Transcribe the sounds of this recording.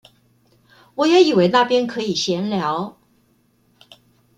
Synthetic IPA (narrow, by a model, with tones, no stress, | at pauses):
wɔ˨˩jɛ˧˥i˨˩we˧˥ɪna˥˩pjɛ˥nkʰɤ˧˥i˨˩ɕjɛ˧˥nljɑ˧˥ʊ